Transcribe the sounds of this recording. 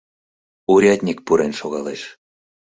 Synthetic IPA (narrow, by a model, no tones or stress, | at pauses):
uɾʲɑt̪ʲnʲikpuɾenʃoɣɑleʃ